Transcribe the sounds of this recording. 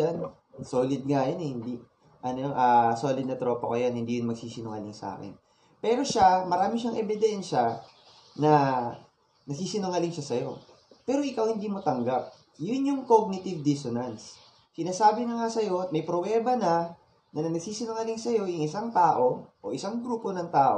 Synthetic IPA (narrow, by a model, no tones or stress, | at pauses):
an | soːlɪd̪̚ŋajonɛhɪnd̪i | ʔɐnooʔaso̞ːlɪd̪̚nɐt̪ɾo̞ːpɐkojanhɪnd̪ijʊnmɐɡ̚siːsɪnʊŋɐ̰lɪŋsa̰ːkɛ̰n | pɛːɾo̞ʃamɐɾaːmɪʃaŋʔɛbɪd̪ɛnʃɐ | nɐ | nɐɡ̚siːsɪnʊŋɐlɪŋʃasɐjo̞ː | ɛːɾo̞ʔɪkawhɪnd̪iːmot̪ɐŋɡap̚ | jʊnjʊŋkoɡ̚nɪt̪ɪvd̪ɪsonɐns | sɪnaːsaːbɪɲoŋasɐjo̞t̪̚mɐjpɾowɛːbɐnɐ | nɐnɐnɐɡ̚siːsɪnoŋɐlɪŋsɐjo̞jʊŋʔɪsaŋt̪aːʔo̞ʔoʔɪsaŋɡɾuːpo̞nɐŋt̪aːʔo̰